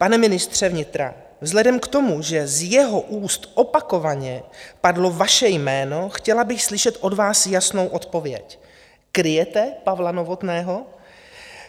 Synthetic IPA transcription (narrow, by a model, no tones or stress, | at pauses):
panɛmɪnɪst̪r̝̥ɛvɲɪt̪ɾa̰ | vzlɛdɛmkt̪o̞muʒɛzjɛɦo̞ʔuːst̪ʔopako̞vaɲɛpadlo̞vaʃɛjmɛːno̞xcɛlabɪxslɪʃɛt̪ʔo̞dvaːsjasno̞wʔo̞t̪po̞vjɛ̰c | kɾɪjɛt̪ɛpavlano̞vo̞t̪nɛːɦo̞